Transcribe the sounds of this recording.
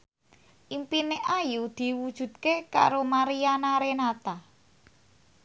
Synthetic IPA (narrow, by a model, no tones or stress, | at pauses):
ʔimpineʔajud̪̥i̤wud̥ʒ̥ṳd̪̥̚keka̰ɾomaɾijanaɾenat̪a